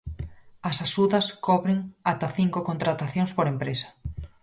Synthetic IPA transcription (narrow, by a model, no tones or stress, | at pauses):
ɐsaʃuðɐskɔβɾeŋat̪aθiŋkokont̪ɾat̪aθjõŋspoɾempɾesɐ̥